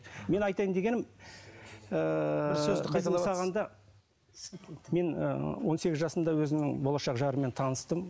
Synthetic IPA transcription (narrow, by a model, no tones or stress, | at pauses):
me̞nɑjt̪ɑjənd̪e̞ɡʲe̞nɪm | əsɵzɪɪd̪sɑʁɑnd̪ɑ | me̞nə̰wo̞nse̞ɡʲɪzʒɑsənd̪ɑwɵzɪmnɪŋbo̞lˠɑʃɑqʒɑɾəme̞nt̪ʰɑnəst̪əm